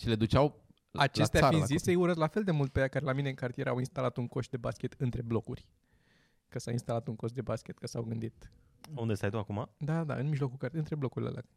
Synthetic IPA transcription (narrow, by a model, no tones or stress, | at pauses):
ʃile̞d̪ut͡ʃaw | at͡ʃest̪aainzisəjuɾəzlafe̞ld̪e̞mult̪̚pejakaɾelamineɨŋkart̪ijeɾawinst̪alat̪uŋko̞ʃt̪̚d̪ebaskʲe̞t̪ɨnt̪ɾe̞blo̞kurʲ | kəsawinst̪alat̪uŋko̞ʃt̪d̪ebaskʲe̞t̪kəsawɡɨnd̪it̪ | und̪est̪ajt̪uakumad̪ad̪a̰ɨnmiʒlo̞kukaɾt̪ɨnt̪ɾe̞blo̞kuɾilḛla̰k